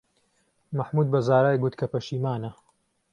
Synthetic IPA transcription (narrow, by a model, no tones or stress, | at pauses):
mɐħmuːd̪̚bɐzaːɾaːjɡut̪kʰɐpɐʃiːmaːnɐ